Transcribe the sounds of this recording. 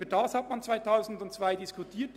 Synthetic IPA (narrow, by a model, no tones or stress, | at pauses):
ədɑːshɑtmant͡sv̥aɪtʰaʊzn̩dʊntt͡sv̥aɪdɪskʊtʰiːt